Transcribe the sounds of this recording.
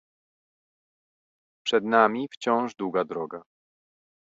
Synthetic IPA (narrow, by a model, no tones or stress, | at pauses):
pʂɛd̪namʲift͡ɕɔ̃w̃ʐd̪wuɡad̪ɾɔɡa